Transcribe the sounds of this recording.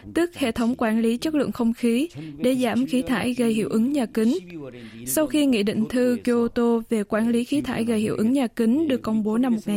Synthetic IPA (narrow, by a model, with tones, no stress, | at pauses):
t̪ɨ˦˥ək̚hḛ˧˨t̪ʰə˨˦wŋ͡mkwaː˧˩nli˨˦t͡ɕə˦˥k̚lɨ̰˧˨ənxə˧wŋ͡mxi˨˦ɗe˧˩zaː˧˩mxi˨˦t̪ʰaː˧˩jɣə˧˩jhḭ˧˩əwʔɨ˨˦ŋɲaː˨˩ki˨˦ŋ̟sa˧wxi˧ŋḭ˧˨ɗḭ̈˧˨ŋ̟t̪ʰɨ˧ko˧t̪o˧ve˨˩kwaː˧˩nli˨˦xi˨˦t̪ʰaː˧˩jɣə˨˩jhḭ˧˩əwʔɨ˨˦ŋɲaː˨˩ki˨˦ŋ̟ɗɨ˨˩əkːə˧wŋ͡mɓo˨˦na˧mːo˨˩t̚ŋa˨˩